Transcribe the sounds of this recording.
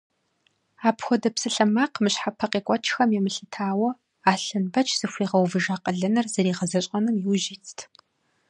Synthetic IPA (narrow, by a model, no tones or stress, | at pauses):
aːpxʷɔdɐpsɨɬɐmaːqmɨɕħapʰɐqʼeːkʷʼɔt͡ʃʰxɐmjemɨɬɨtʰaːwɐ | aːɬɨnbɐt͡ʃʰz̥ɨxʷiːʁɐwvɨʒaːqʼəɮɐnɐrz̥ɐɾiːʁɐzɐɕʼɐnɨmjiwʒit͡sʰtʰ